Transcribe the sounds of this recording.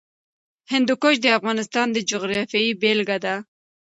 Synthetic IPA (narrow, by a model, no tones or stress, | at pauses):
hɪnd̪ukoʃd̪əafɣɑnɪst̪ɑnd̪əd͡ʒʊɣɾɑfjaibelɡad̪a